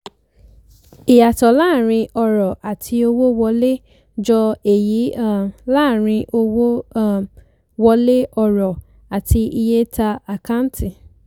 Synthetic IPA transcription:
i˨ja˨tɔ˨la˦˨ɾ̃ĩ˧ɔ˧ɾɔ˨ʔa˨tʰi˧o˧wo˦wɔ˧le˦ | d͡ʒɔ˧e˨ji˨˦˨la˦˨ɾ̃ĩ˧ʔo˧wo˦ | wɔ˧le˦ʔɔ˧ɾɔ˨ | a˨ti˧i˧je˦ta˧a˨ka˦n˦ti˦˨

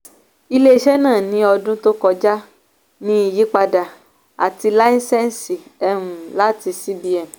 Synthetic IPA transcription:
i˦˧le˦˧ʃɛ˦nãː˦˨nĩ˨˦ɔ˧dũ˦to˦kɔ˧d͡ʒa˦ | nĩ˦i˧ji˨˦k͡pa˧da˨ | a̰˨ti˧la˦ĩ˦sɛ˦n˨si˨ɛ˧ɦũ˨la˦ti˧si˦di˧˦ɛ˨

